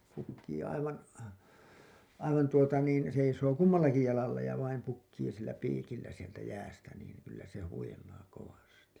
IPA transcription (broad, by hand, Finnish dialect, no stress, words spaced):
pukːiː ɑiʋɑn ɑiʋɑn tuotɑ niːn seisoː kumːɑlːɑki jɑlɑlːɑ jɑ ʋɑim pukːiː silːæ piːkilːæ sieltæ jæːstæ niːn kylːæ se huilˑɑː koʋɑsti